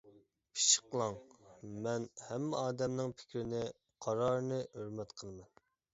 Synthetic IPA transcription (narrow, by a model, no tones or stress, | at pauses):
pʰi̥ʃə̥qlˠɑŋmɛnhɛmːɪ̰ɑːd̪ɛmnɪŋpʰɪ̥kʲɾɪnɪ | qʰɑɾɑɾnɨhøɾmɛt̪qʰəlˠɨmɛn